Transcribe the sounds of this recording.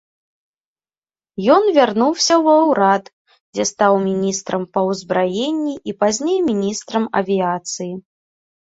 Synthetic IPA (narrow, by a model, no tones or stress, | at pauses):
jɔnvʲarnuwsʲɐwɐwɾat̪ | d͡zʲɛst̪awmʲinʲist̪ɾɐmpɐwzbɾajenʲːiʔipazʲnʲejmʲinʲist̪ɾɐmɐ̰vʲiat̪sɨji